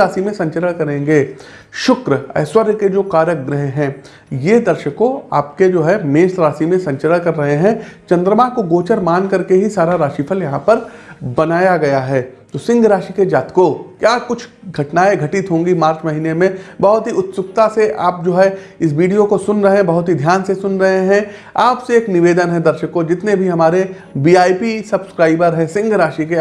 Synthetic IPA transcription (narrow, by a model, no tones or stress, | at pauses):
aːsimẽsɐ̃ɲt͡ʃələɽ̃kɐɾẽːŋɡeː | ʃʊkɾəɛ̰ːswəɾked͡ʒoːkaːɾək̚ɡɾɪɦeɦɛ̃ː | jed̪ɐɾʃəkoaːp̚ked͡ʒoːɦɛmeːʃɾaːsimẽsɐ̃ɲt͡ʃələɽ̃kɐɾːɐɦeɦɛ̃t͡ʃɐ̃nd̪ɾəmãːkoɡoːt͡ʃəɾmaːnkɐɾkeɦisaːɾaɾaːʃiːpʰəljɐɦãpɐɾ | bɐnaːjaɡɐjaɦɛːt̪oːsɪ̃ŋɡɾaːʃiked͡ʒaːt̪kokjaːkʊt͡ʃʰ | ɡʱɐʈnaːeɡʱɐʈɪt̪ɦõːŋɡimaːɾt͡ʃmɐɦiːnemẽbɐɦʊt̪ɦiʊt̪sʊkt̪aseʔaːp̚d͡ʒoːɦɛɪs̬ʋiːɖijokosʊnɾɐɦẽɛ̃bɐɦʊt̪ɦid̪ʱjaːnsesʊnɾɐɦeɦɛ̃ | aːpseeːknɪʋeːd̪ənɦɛ̃d̪ɐɾʃəkːod͡ʒɪt̪nebʱiɦɐmaːɾe | biːaːipisɐbskɾaːɪbəɾɦɛ̃sɪ̃ŋɡʱɾaːʃike